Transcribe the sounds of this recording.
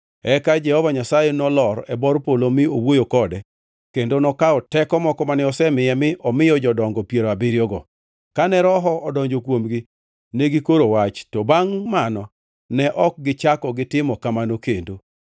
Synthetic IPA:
ɛkad͡ʒɛhɔvaɲasajɛnɔlɔɾɛbɔɾpolomɪowojokɔdɛ | kendonɔkaɔtɛkɔmɔkɔmanɪɔsɛmɪjɛmɪʔɔmɪjɔd͡ʒɔdɔŋɡɔpjeɾabɪɾjɔɡɔ | kanɛɾɔɦɔɔdɔɲd͡ʒokwomɡi | neɡikoɾowat͡ʃtɔbaŋmanɔ | nɛʔɔk̚ɡɪt͡ʃakɔɡɪtɪmɔkamanokendo

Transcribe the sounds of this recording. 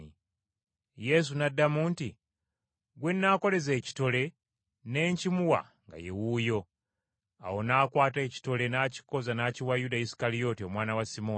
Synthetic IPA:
je̞s̬unadːamuːnti | ɡwe̞nːako̞le̞ze̞ːci̥to̞le̞ | ne̞ːɲcimuwa̰ | ŋɡa̰je̞̰wujo̞ | a̰wo̞naːkwaːte̞ːci̥to̞le̞naːci̥ko̞zanaːciwajudaisi̥kalio̞ːtio̞mwaːnawasimo

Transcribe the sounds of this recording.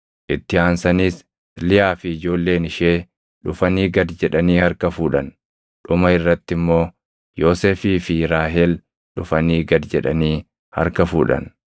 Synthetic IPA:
ʔɪt̪ːɪaːnsɐniːs | lɪjaːfɪɪd͡ʒo̞ːlːe̞ːnɪʃe̞ː | ᶑʊfɐniːɡɐd̪d͡ʒɛᶑɐniːhɐɾkɐfuːᶑɐn | ᶑʊmɐɪrːɐt̪ːɪmːo̞ː | jo̞ːseːfiːfɪɾaːɦɛl | ᶑʊfɐniːɡɐd̪d͡ʒɛᶑɐniː | hɐ̰ɾkɐfṵːᶑɐ̰n

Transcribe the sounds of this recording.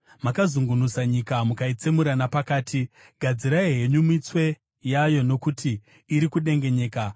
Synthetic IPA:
makazuŋɡunusaɲikamukait͡semuɾanapakaːti | ɡʱad͡ziɾaiɦe̞ɲumit͡swe̞ | jajo̞no̞kutʰiː | ɾikuɗe̞ŋɡe̞ɲe̞ːka

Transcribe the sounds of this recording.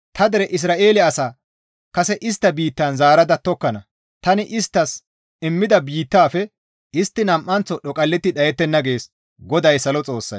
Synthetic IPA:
t̪ɐd̪ɛɾɛʔɪs̬ɾaːʔe̞ːlɪɐsaː | kɐsɛʔɪs̬t̪ːɐbiːt̪ːɐnzaːɾɐd̪ɐt̪ɔkːɐnɐ | t̪ɐnɪʔɪst̪ːɐs | ɪmːɪd̪ɐbiːt̪ːaːfɛ | ɪst̪ːɪnɐmʔːɐnt͡sːɔɗɔkʼɐlːɛt̪ːɪᶑɐjɛt̪ːɛnːɐɡe̞ːs | ɡɔd̪ɐjsɐlɔt͡sʼo̞ːsːɐ̰j

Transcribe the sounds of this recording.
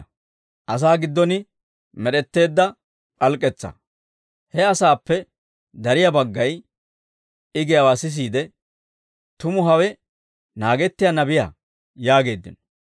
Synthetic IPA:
ʔɐs̬aːɡɪd̪ːɔnɪ | mɛɗɛt̪ːe̞ːd̪ːɐ | kʼɐlkʼːɛt͡sːɐ̰ | hɛɐsaːpːɛ | d̪ɐɾɪjabɐɡːɐj | ɪɡɛjɐwaːsɪs̬iːd̪ɛ | t̪ʊmʊɦɐwɛ | naːɡɛt̪ːɪjɐnɐbɪja̰ | jaːɡe̞ːd̪ːɪ̰nɔ

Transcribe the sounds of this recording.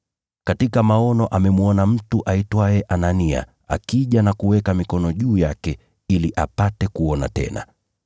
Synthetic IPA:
katikamaɔnɔʔamɛmuɔnam̩tuʔaitwaɛʔanania̰ | a̰kiʄanakuwɛkamikɔnɔʄuːjakɛ | iliʔapatɛkuɔna̰tɛ̰na̰

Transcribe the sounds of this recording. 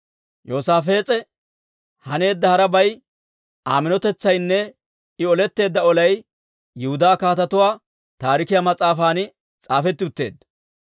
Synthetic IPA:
jo̞ːsaːfe̞ːt͡sʼɛ | hɐne̞ːd̪ːɐhɐɾɐbɐj | aːmɪnɔt̪ɛt͡sːɐjnːɛ | ɪɔlɛt̪ːe̞ːd̪ːɐɔlɐj | jʊhʊd̪aːkaːt̪ɐt̪ʊwaː | t̪aːɾɪkɪjamɐt͡sʼaːfaːnɪ | t͡sʼaːfɛt̪ːɪʊt̪ːe̞̰ːd̪ːɐ

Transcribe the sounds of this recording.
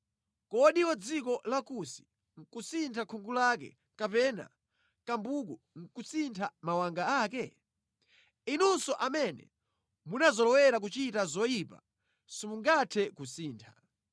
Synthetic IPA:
kɔɗiwɔd͡zikɔlakusi̥ | ŋ̩kusintʰakʰɔŋɡulak̬ɛ̰ | kapɛna̰ | kambuku | ŋ̩kusintʰamawaŋɡaaːkɛ | inunsɔʔamɛnɛ̰ | munazɔlɔwɛɾak̬ut͡ʃitazɔjipa̰ | simuŋɡatʰɛkusiːntʰḁ

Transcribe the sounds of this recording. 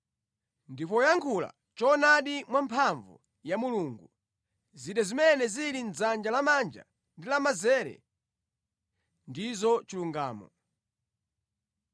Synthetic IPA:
ndipɔjaŋkʰula̰ | t͡ʃɔnaɗimwampʰaɱvṵ | jamuluːŋɡu | ziɗazimɛnɛziɾinzand͡ʒalamand͡ʒa̰ | ndilamazɛːɾɛ̰ | ndizɔt͡ʃiluŋɡaːmɔ̰

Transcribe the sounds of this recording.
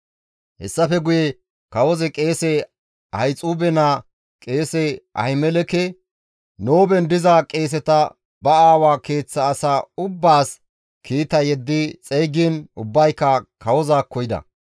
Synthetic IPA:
hɛ̰sːɐfɛɡʊjɛ | kɐwɔzɛkʼe̞ːsɛ | ɐjt͡sʼuːbɛnaː | kʼe̞ːsɛʔɐ̰hɪmɛlɛkɛ | no̞ːbɛnd̪ɪzakʼe̞ːs̬ɛt̪ɐ | bɐaːwaːke̞ːt͡sːɐːsaːʊbːaːs | kʰiːt̪ɐjɛd̪ːɪt͡sʼɛjɡiːnʊbːɐjkːɐkɐwɔzaːkːɔjɪd̪ɐ̰

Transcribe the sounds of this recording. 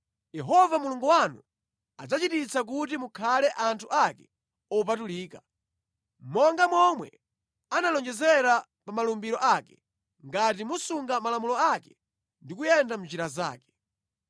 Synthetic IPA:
jɛɦɔvamuluŋɡuwanu | a̰d͡zat͡ʃitit͡sak̬utimukʰalɛʔantʰuʔakɛ̥ | ɔp̬atuliːka | m̩mɔŋɡamwɔmwɛ̰ | analɔnd͡ʒɛzɛɾa | pamalumbiɾɔʔakɛ̥ | ŋɡat̬imusuŋɡamalamulɔakɛ̥ | ndikujɛndam̩nd͡ʒiɾaza̰ːkɛ̥

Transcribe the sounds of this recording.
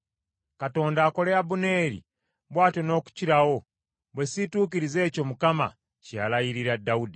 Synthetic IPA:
kato̞ːndaːko̞leabune̞ːɾḭ | βwaːteno̞ːku̥ciɾawo̞ | βwesituːkiɾize̞ːco̞mukama̰ | calajiɾiɾadaudi

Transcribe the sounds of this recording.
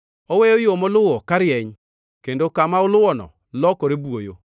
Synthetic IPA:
ɔwejojomɔlʊwɔkaɾjɛɲ | kendokamaʊlʊwɔnɔ̰ | lɔkɔɾebuojo̰

